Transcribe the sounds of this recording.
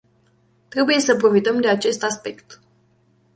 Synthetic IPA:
t̪ɾe̞buje̞səpɾo̞fit̪əmd̪e̞at͡ʃe̞st̪aspe̞kt̪

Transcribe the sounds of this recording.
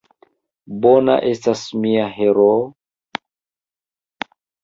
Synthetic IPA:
bona̰ʔe̞stasmiaɦeɾo

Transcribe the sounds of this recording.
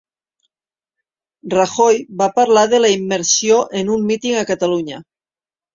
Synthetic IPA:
raxojβapaɾlaðelaimːeɾsjoʔenumːit̪iŋakat̪aluɲa

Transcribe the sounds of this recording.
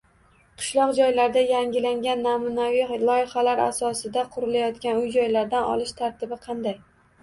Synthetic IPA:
qʰɨ̥ʃlˠɒqd͡ʒɒjlaɾd̪ajaŋʲɪlaŋɡʲanːamʊnavilˠɒjɪχalaɾa̰sɒsɪd̪aqʰʊɾɪlajɒt̪kʲanʊjd͡ʒɒjlaɾd̪anɒ̰lɪʃt̪ʰaɾt̪ʰɪbɪqʰɑnd̪aj

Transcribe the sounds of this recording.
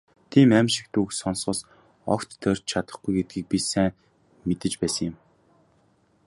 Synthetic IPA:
t̪ʰiːmæmʲʃɪ̥̆k̚t̪uksɔnsʊːs | ɔ̰kt̪ːœrʲt͡ɕt͡ɕʰat̪ə̥̆χɡujɡet̪̚ɡiːk̚pʲisæːŋ | met̪ɘ̆t͡ɕpæːsə̆ŋjɪ̆m

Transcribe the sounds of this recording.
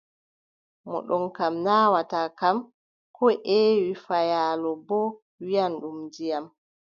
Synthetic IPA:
mɔ̰ɗɔnkamnawatakam | kʰɔʔɛwifajaːlɔbɔ | wijanɗumd͡ʒijam

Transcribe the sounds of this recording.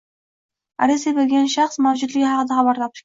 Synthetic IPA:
a̰ɾesebelɡʲanʃaχsmawd͡ʒʊd̪lɪɡʲhɑqɨd̪aχɑbaɾt̪ʰɒp̚

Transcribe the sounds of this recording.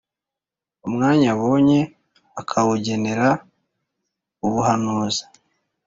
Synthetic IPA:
umŋaːɲaβo̞ːɲe̞ | akʰawuɟe̞ne̞ɾa | uβuɦanuːzḁ

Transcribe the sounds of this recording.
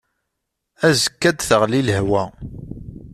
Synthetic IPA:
æzə̥kːæd̪θəʁliləhwæ

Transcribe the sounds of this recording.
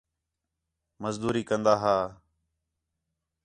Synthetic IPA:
məzd̪uːɾiːkənd̪aːɦaː

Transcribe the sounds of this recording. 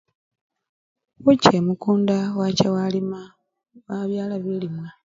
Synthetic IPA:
wucemukuːndawacawalima | waβjaːlaβilimwa

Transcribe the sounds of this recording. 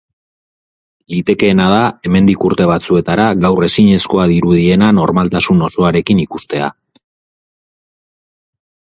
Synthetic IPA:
lit̪e̞ke̞ːnað̞ae̞me̞nd̪ikuɾt̪e̞β̞at͡sue̞t̪aɾaɣawre̞siɲe̞sko̞aðiɾuðie̞nano̞ɾmalt̪asuno̞so̞aɾe̞kinikust̪e̞a̰

